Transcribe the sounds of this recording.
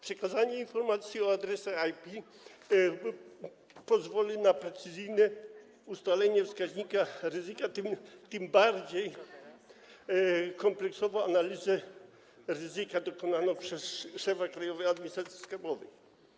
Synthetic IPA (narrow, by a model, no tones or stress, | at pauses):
pʂɛkazaɲɛinfɔɾmat̪sʲjiɔad̪ɾɛsɛajpʲi | pɔzvɔlʲinapɾɛt̪sɘzɘjnɛ | ust̪alɛɲɛfskaʑɲikaɾɘzɘkat̪ɘmt̪ɘmbaɾd͡ʑej | kɔmplɛksɔvɔ̃analʲizɛ | ɾɘzɘkad̪ɔkɔnanɔpʂɛsʂɛfakɾajɔvɛad̪̚mʲiɲist̪ɾat̪sʲi̥skabɔvɛj